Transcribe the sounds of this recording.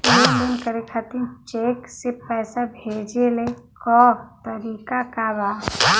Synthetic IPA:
end̪ɪnkəɾekʰat̪it͡ʃeːksepɛːsabʱeːd͡ʒelekɔːt̪əɾiːkakabaː

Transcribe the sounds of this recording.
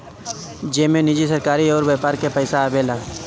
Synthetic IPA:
d͡ʒeːmẽnɪd͡ʒisəɾkaːɾiɔːɾbeːpaːɾkepəɪsaːbeːlaː

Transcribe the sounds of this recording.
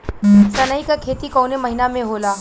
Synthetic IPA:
sɐnaikakʰeːt̪ikoːnemɐɦɪnamẽɦoːlaː

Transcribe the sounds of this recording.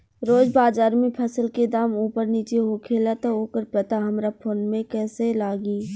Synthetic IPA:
ɾoːd͡ʒbaːzaːɾmẽpʰəsəlked̪aːmuːpəɾniːt͡ʃeɦokʰeːlat̪ooːkəɾpɐt̪aɦɐmɾapʰoːnmẽkɛːselaːɡiː

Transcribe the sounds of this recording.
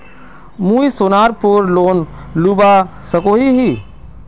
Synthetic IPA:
mũːisoːnaːɾpuɾloːn | luːba | səkoɦiɦi

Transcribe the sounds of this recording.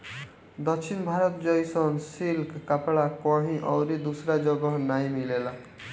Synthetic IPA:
d̪ʌksʰinbʱaɾɔt̪d͡ʒʌjsɔnsilkkapɭakɔɦĩʔʌwɾid̪usɾad͡ʒʌɡɔnajmilela

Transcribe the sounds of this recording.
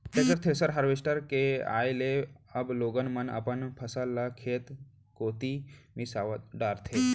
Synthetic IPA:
t̪ekəɾt̪ʰeɾsəɾɦɐɾʋesʈəɾkea̰ːjleɐbloːɡənmɐnɐ̰pənpʰɐsalːakʰeːt̪ | koːt̪imisaːʋət̪ɖaːɾt̪ʰeː

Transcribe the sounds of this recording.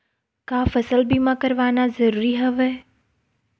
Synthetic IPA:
kaːfəsəlbʱimãkəɾʋaːnazəɾuːɾiɦəʋeː

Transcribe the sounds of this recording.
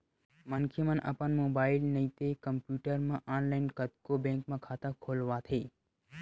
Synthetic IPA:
mənkʰimənʔə̰pənmoːbaːɪlnəĩt̪ekəmpjuːʈəɾmãʔɔːnlaɪnkət̪̚kobẽŋkmãkʰaːt̪ãkʰoːlʋat̪ʰeː

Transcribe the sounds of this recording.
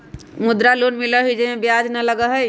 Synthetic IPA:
mʊd̪ɾalonmiləɦid͡ʒemẽbjad͡ʒnələɡəɦəj

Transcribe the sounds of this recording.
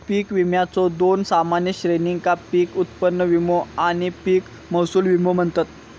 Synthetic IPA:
piːkʋimjat͡sɔd̪onsamanjəɕɾeniŋɡkapiːkut̪pənːəʋimoaɽ̃ipiːk | məwsuːlʋimom̤əɳt̪at̪̚

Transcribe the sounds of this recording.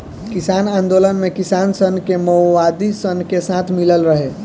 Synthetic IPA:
kɪsaːnãːnd̪oːlənmẽkɪsaːnsənkeməwaːd̪isənkesat̪ʰmɪləlɾəɦe

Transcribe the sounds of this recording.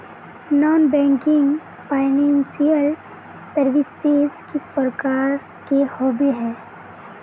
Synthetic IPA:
nɔːnbɛ̃ːŋkɪ̃ŋɡ | paːɪnɛ̃ːnsijəl | səɾʋɪsezkɪspɾəkaːɾ | kehɔːbiɦɛː

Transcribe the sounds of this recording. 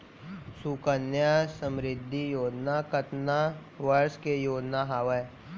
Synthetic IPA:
sukənjasə̃mɾɪd̪ʱːijoːd͡ʒnakət̪na | ʋəɾskejoːd͡ʒnaɦaːʋə

